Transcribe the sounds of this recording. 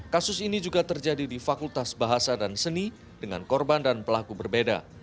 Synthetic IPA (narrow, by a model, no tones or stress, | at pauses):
kasʊsinid͡ʒuɡat̪ərd͡ʒadidifakult̪asbaɦasadansəni | dəŋa̰nkɔrbandanpəlakubərbeda̰